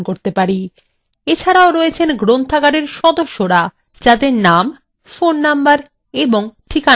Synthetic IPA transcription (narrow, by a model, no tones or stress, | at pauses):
koɾt̪epaɾi | et͡ɕʰaɾaoɾɔet͡ɕʰenɡɾont̪ʰaɡaɖeɾʃɔd̪oʃːoɾa | d͡ʑad̪eɾnam | fonːambaɾ | eboŋʈʰika